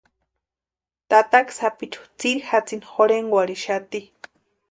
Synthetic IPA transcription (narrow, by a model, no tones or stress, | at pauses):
t̪at̪aksapit͡ʃu̥t͡siɾixat͡sinxoɾeŋɡwaɾiʃat̪i